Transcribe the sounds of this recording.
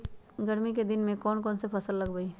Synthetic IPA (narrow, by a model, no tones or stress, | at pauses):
ɡɐɾmiked̪ɪnmẽkɔːnkɔːnsepʰɐsəlːɐɡbəi